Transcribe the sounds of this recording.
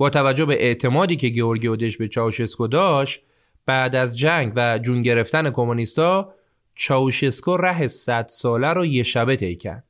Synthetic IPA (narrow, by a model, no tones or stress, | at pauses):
b̥ɒːt̪ʰævæd͡ʒːobe̞ʔeʔt̪ʰe̞mɒːd̪iːcʰe̞ɟeoɾɡiod̪eʃbe̞t͡ʃʰɒːoʃeskod̪ɒːʃt̪ | b̥æd̪æzd͡ʒæŋɡɟvæd͡ʒuŋɟe̞ɾe̞ft̪æne̞kʰo̞munist̪ɒː | t͡ʃʰɒːuʃeskoræɦe̞sæd̪̥sɒːlæɾɔːje̞ʃæbe̞t̪ʰe̞jcʰæ̰ɾd̪̥̚